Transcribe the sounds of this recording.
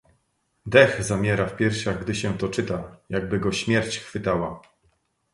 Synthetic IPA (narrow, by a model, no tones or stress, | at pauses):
d̪ɛɣzamʲjɛɾafpʲjɛɾɕaɡd̪ɘɕɛ̃t̪ɔt͡ʂɘt̪ajaɡ̚bɘɡɔɕmʲjɛɾt͡ɕxfɘt̪awa